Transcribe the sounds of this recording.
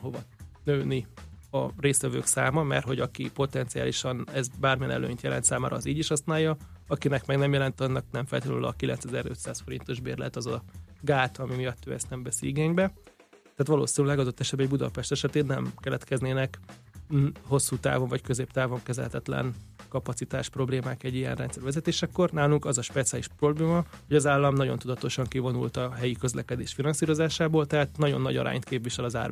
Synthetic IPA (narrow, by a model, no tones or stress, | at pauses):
ɦovɒnøːniɒreːst̪ʋɛvø̰ːksaːmɒmɛ̰rho̞ɟɒkipo̞t̪ɛnt̪sia̰ːliʃɒnɛzbaːrmijɛ̰nɛ̰lø̰ːɲt̪jɛlɛ̰nt̪saːmaːɾɒːziːɟiʃhɒsnaːjɒɒkinɛkmɛɡnɛmjɛlɛnt̪ɒnːɒknɛɱfɛ̰lt̪ilylɒ̰kilɛ̰nt̪sɛzɛɾø̞̰t̪saːsfo̞ɾḭnt̪o̞ʒbḛːrlɛ̰t̪ɒzɒɡaːt̪ɒmimijɒt̪ːø̰ːɛst̪nɛmvɛsiiɡeːɲbɛ | t̪aːt̪ʋɒlo̰ːsinyllɛɡɒd̪ot̪ːɛʃɛbɛɟbud̪ɒ̰pɛʃt̪ɛʃɛt̪eːnːɛmkɛlɛt̪kɛzneːnɛk | ɦo̞sːuːt̪a̰ːvo̞ɱvɒckø̞zeːpt̪aːvo̞ŋkɛzɛ̰lhɛ̰t̪ɛt̪lɛ̰nkɒpɒtsit̪a̰ːʃpro̞bleːmaːkɛɟːijɛ̰nrɛnsɛɾvʋɛzɛt̪eːʃɛkːo̞rnaːluŋkɒzɒʃpɛt̪siaːliʃpro̞bleːmɒho̞ɟɒzaːlːɒmnɒɟo̞nt̪ud̪ɒt̪o̞ʃɒŋkivo̞nṵlt̪ɒɦɛjikø̞zlɛkɛd̪eːʃfinɒnsiːɾo̞zaːʃaːboːlt̪ɛɦaːt̪nɒɟo̞nːɒ̰ɟɒ̰ɾʔa̰ːɲt̪keːpviʃɛlɒza̰ːrm